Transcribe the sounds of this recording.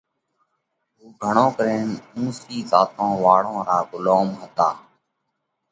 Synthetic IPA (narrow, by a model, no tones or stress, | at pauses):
ɦuːɡʱəɳõːkəɾeːnũːsiːzaːt̪ʰõːʋaːɽ̤õːɾaːɡʊloːmɦət̪aː